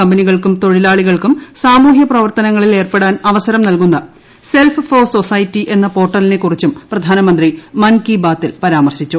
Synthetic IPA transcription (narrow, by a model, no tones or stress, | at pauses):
ɐmbɐniɣɐɭkumt̪o̞ɻilaːɭiɣɐɭkumsaːmuːɦjɐprɐʋɐrt̪ɐnɐŋːɐɭile̞ːrpe̞ɽaːnɐʋɐsɐɾɐmnɐlkunːɐ | se̞lffoːso̞sɐjtːiʔe̞nːɐpo̞ːʈːɐline̞kːurit͡ɕːumprɐd̪ʱaːnɐmɐnd̪rimɐnkibaːt̪ːilpɐɾaːmɐrɕit͡ɕːu